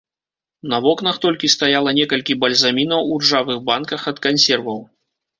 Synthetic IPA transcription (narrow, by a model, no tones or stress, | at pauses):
nɐvɔkn̪ɐxt̪ɔlʲkʲist̪ajalˠɐnʲɛkɐlʲkʲibɐlʲzamʲinɐwurʐavɨɣbankɐxɐt̪kanʲsʲɛrvɐw